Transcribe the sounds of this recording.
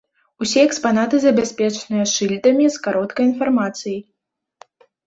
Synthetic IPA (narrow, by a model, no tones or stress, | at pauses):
usʲɛɛkspan̪at̪ɨzɐbʲasʲpʲɛt͡ʂnɨjɐʂɨlʲt̪ɐmʲiskaɾɔt̪kɐjin̪farmat̪sɨji